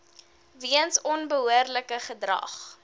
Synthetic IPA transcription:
viənsɔnbəɦuərləkəχədrɐ̰χ

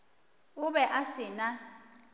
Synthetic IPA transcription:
uɓɛʔasɪna

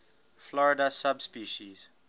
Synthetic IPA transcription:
flɔɹɪdasabspiːʃiz̥

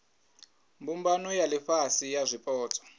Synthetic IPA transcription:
mbumbanɔjaliɸasijazʷipʼɔːt͡sʰʼɔ̥

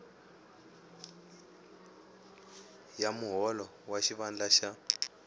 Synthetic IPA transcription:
jamuɦɔlɔ | waʃiβand͡ɮaʃa

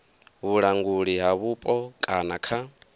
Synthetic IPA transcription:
βuɺaŋɡuɺiɦaβupʼɔkʼanakʰa

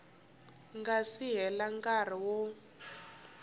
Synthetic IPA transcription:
ŋɡasiɦɛlaŋkar̤iwɔ

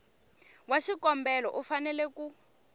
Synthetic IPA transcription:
waʃikɔmbɛlɔ̰ʔufanɛlɛku

